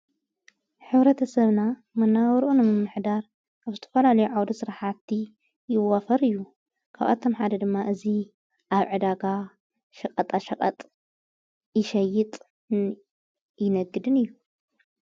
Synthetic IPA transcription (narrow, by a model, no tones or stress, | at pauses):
ħɨβɾɐt̪ʰɐsɐβna | mɐnːawɔɾʔunɨmɨmːɨħd̪aɾ | aβzɨt̪ʰɐ̥fɐlalɐjuʕawd̪ɐsɨɾaħat̪ʰːi | jɪwafɐɾɨjːu | kʰaβa̰t̪ʰo̞mħad̪ɐd̪ɨmːaʔɨzi | ʔaβʕɨd̪aɡa | ʃɐkʼɐt̪ʼaʃɐkʼɐ̰t̪ʼ | jɪʃɐjːɪt̪ʼ | jɪnɐɡːɨd̪ɨnɨjːu